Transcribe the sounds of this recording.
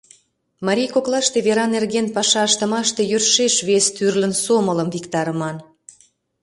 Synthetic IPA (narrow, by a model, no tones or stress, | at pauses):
mɑɾʲijkoklɑʃt̪eβeɾɑnerɣenpɑʃɑəʃt̪ə̆mɑʃt̪e̽jørʃeʃβest̪yrlə̆nsomələmvikt̪ɑɾəmɑn